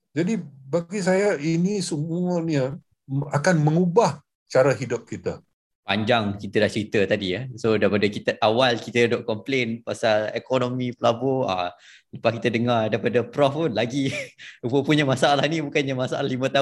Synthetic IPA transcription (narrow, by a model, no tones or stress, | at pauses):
d͡ʒadibaɡis̬ajainisəmuənə | akanmə̃ŋubah | t͡ʃaɾaɦidʊp̚kit̪a | pa̰ɲd͡ʒaŋkit̪ədaht͡ʃəɾit̪ət̪adiəsodaipadəkit̪əʔawalkit̪ədoʔkɔmplenpasalekonomipəlabɔa̰ | ləpahkit̪ədəŋardajpadəpɾɔfpunlaɡiubəpuɲəmasaalahnibukanɲamasa̰lalimə̃t̪a